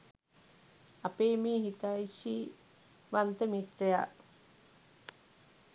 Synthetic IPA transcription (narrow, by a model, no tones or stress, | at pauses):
apeːmiːɦit̪aiʃi | ʋant̪əmit̪ɾeja̰